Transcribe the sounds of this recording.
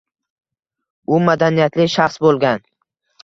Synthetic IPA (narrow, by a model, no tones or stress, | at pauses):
ʊmad̪anijat̪lɪʃaχsbolˠɡʲan